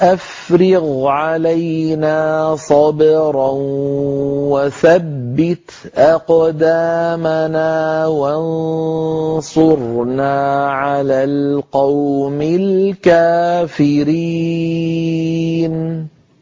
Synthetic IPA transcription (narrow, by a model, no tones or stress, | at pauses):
ʔaf | ɾɪɣʕalajnaːsˤɑbɾˤɑn | waθabbːɪt̪ | ʔɑqd̪aːmanaːwan | sˤʊɾnaːʕalaːlqɑwmɪlkaːfɪɾi | n